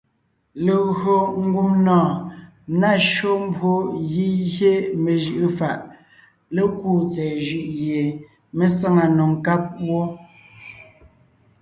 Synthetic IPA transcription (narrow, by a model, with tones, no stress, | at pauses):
le˨ɣɰo˨ŋ̩˦ɡu˦mnɔ̃ː˦˨ | na˦˨ʃo˦m̩˦bwo˦ji˦ɣje˦me˨ʒɯ˦˨ʔɯ˦fa˨ʔ | le˦kuː˦˨t͡sɛː˨ʒʉ˦˨ʔɣje˨ | me˦sa˦ŋa˨no˨ŋ˨ka˦p̚wo˦